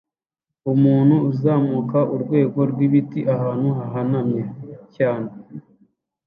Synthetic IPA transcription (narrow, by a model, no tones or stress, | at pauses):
umuːn̥huːzaːmukaʔuɾɡwe̞ːɡo̞ɾɡwiβitiʔaɦaːn̥huɦaɦanamɲecaːne